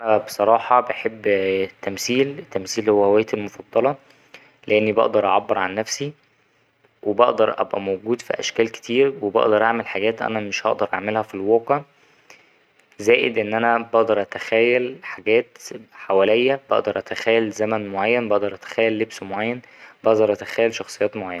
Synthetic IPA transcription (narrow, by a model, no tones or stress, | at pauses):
ʔænæbe̥sˤɑɾˤɑːħɑbeħebːt̪ːæmsiːlet̪ːæmsiːlhowːæhæwæːjːet̪elmofɑd̪ˤːɑlɑ | leʔenːibɑ̰ʔd̪ɑɾˤʔɑ̰ʕabːeɾʕanːæfsi | webɑʔd̪ɑɾˤʔæ̰bʔæ̰mowɡuːd̪fiʔæ̰ʃkæːlke̥t̪ʰiːɾwebɑ̰ʔd̪ɑɾˤʔaʕmelħaɡæːt̪ʔæ̰næmeʃhɑ̰ʔd̪ɑɾˤʔa̰ʕmelhæfilwɑːqɑʕ | zæːʔed̪ʔenːʔænæbɑʔd̪ɑɾˤʔæt̪æxæːjelħaɡæːt̪ħawælejːæbɑ̰ʔd̪ɑɾˤʔæt̪æxæːjːælzæmænmoʕajːænbɑʔd̪ɑɾˤʔæt̪æ̥xæjːælːebsumoʕajːæn | bɑʔd̪ɑɾˤʔæt̪æxæːjelʃɑxsˤɨ̥jːɑːt̪moʕajːæ̰n